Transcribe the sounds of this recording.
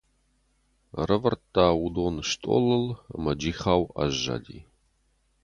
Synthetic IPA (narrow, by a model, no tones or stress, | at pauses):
rəvɐrtʰʼːaːwud̪oːnʃtʼo̰ːləlɐ̰mɐd͡ʒiːχaːwɐ̰ʒːa̰dḭː